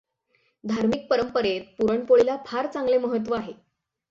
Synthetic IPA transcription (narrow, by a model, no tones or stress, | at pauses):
d̪ʱaɾmik̚pəɾəmpəɾet̪̚puɾəɳpoɭilapʰaɾt͡saŋɡleməɦət̪̬ːʋəaɦe